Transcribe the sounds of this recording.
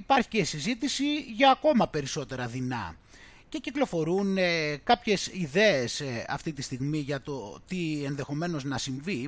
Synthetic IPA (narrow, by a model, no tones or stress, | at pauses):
ipɐɾçi̥cesizit̪isiʝɐːko̞mɐpe̞ɾiso̞t̪e̞ɾɐðinɐ̰ | ce̞ciklo̞fo̞ɾunkɐpçe̞siðe̞esɐ̰ft̪it̪ist̪iɣmiʝɐt̪o̞t̪ie̞nðe̞xo̞me̞no̞znɐsiɱvi